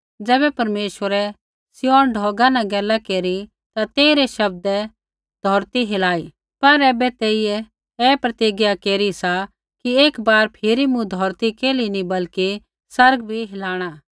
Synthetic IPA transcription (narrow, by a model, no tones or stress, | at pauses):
d͡ʒɛːbɛpɐɾmeːʃwəɾɛ | sɪjɔːnɖʱɔːɡãnãɡɛːlːakeːɾi | t̪at̪eːiɾɛʃɐb̚d̪ɛ | d̪ʱɔːɾt̪iɦɪlaːi | pɐɾɛːbɛt̪eːiɛ | ɛːpɾɐt̪iːɡjakeːɾisa | kieːkbaːɾpʰɪɾimũd̪ʱɔːɾt̪ikeːlinibɐlki | sɐɾɡbʱiɦɪlaːɽ̃aː